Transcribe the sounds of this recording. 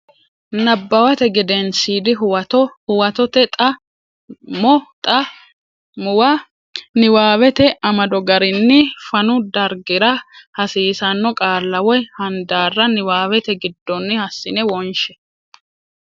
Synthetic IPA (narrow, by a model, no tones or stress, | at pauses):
nɐbːɐwɐt̪ɛɡɪd̪ɛnsiːd̪ɪʊwɐt̪ɔhʊwɐt̪ɔt̪ɛt̪ʼɐ | mɔt̪ʼɐ | mʊwɐ | nɪwaːwɛt̪ɛʔɐmɐd̪ɔɡɐɾɪnːɪfɐnʊd̪ɐɾɡɪɾɐhɐsiːsɐnːɔkʼaːlːɐwɔjhɐnd̪aːrːɐnɪwaːwɛt̪ɛɡɪd̪ːɔnːɪhɐsːɪnɛwɔnʃɛ